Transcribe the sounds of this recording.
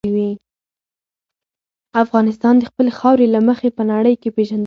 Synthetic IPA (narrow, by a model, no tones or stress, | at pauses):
wi | afɣɑnɪs̬t̪ɑnd̪əxpəlexɑwɾelaməxepənaɽəjkepeʒand̪